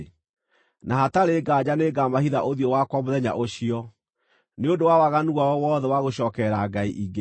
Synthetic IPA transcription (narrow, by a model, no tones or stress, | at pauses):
naɦataɾeːɡad͡ʑaneːɡamahiðaʔoðjɔwakwamoðɛɲa̰ʔoɕiɔ | neondowawaɣanuɣaɔwɔːðɛwaɣoɕɔːkɛɾaɡaḭʔiɡe